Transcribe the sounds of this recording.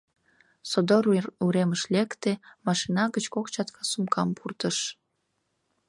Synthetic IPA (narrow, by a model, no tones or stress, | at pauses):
sod̪oɾuɾeməʃlekt̪emɑʃinɑɣət͡ɕkokt͡ɕɑt̪kɑsumkʰɑmpʰurt̪əʃ